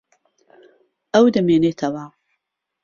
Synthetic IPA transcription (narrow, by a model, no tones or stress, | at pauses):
ɐwd̪ɐmeːneːt̪ʰɐwa